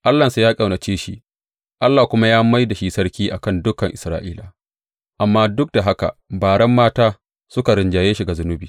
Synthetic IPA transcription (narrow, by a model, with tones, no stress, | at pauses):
ʔa˦lːɐ˨sa˨˦jaː˦kʼɐ˨wna˨t͡ʃeː˦ʃi˦ʔ | ʔa˦lːaː˨kʷʊ˦ma˦jaː˦ma˦jda˨ʃi˦sɐ˦ɾkʲiː˦ʔa˨kɐ˦˨ndʊ˦kɐ˨ŋʔɪ˨sɾa̰ː˦ʔiː˦la˨ | ʔa˨mːaː˦dʊ˦k̚da˨ɦa˦ka̰˨baː˨ɽɛ˦mːaː˦taː˦ | sʊ˦ka˨ɾɪ˨nd͡ʒaː˨jeː˦ʃi˨ɡa˨zʊ˦nʊ˦biː˨